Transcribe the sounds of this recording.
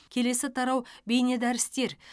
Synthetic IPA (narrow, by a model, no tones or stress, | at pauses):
kʲʰe̞le̞sɪt̪ʰɑɾɑwbejne̞d̪æɾɪst̪e̞ɾ